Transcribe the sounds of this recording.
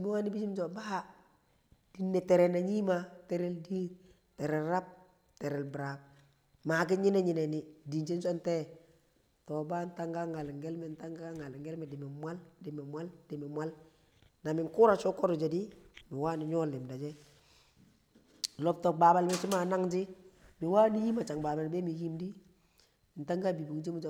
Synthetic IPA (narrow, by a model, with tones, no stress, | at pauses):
mi˦wa˦ni˦bi˦d͡ʒi˦mso˨ba˦ | d̥i˨nːe˨tɛ˨ɾɛ˨na˨ɲi˦ma˦te˨ɾe˦ldiː˦ | tɛ˨ɾɛ˨lɾa˦p̚ | tɛ˨ɾɛ˨lbɾa˨k̚ | ma˨k̬ɪ˦ɲi˦ne˦ɲi˨nɛ˨ni˨di˨nt͡ʃe˦nsɔ˦ntɛ˦ | tɔ˨ba˦n˦ta˦ŋɡa˦ŋa˨lŋɡɛ˦lmɛ˨nta˦ŋɡa˦ŋa˨lŋɡɛ˦lmɛ˨dɪ˨mɪ˨mwa˦ldɪ˨mɪ˨mwa˦ldɪ˨mɪ˨mwa˦l | na˨mɪ˨ŋkʊ˦ɾa˨t͡ʃɔ˦kɔ˦ɾɔ˨d͡ʒɛ˨di˦mɪ˨waː˦nɪ˨ɲɔ˦lɪ˨mda˨d͡ʒɛ˦ | lɔ˨p̚tɔ˨k̚ba˨ba˨lmɪ˦t͡ʃi˦ma˨na˦ŋd͡ʒɪ˦mɪ˨waː˦ni˦ji˦ma˨t͡ʃa˨ŋbaː˨ba˨lbɛ˦mi˨ji˦mdi˦˨ | n̩˨ta˦ŋɡa˦bi˨bu˨kd͡ʒi˦mu˦d͡ʒ